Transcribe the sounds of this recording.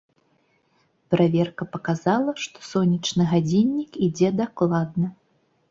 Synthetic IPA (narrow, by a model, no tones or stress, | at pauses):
pɾavʲɛrkɐpɐkazalˠɐʂt̪ɔ̥sɔnʲit͡ʂnɨɣad͡zʲinʲːikid͡zʲɛd̪aklˠad̪̚nɐ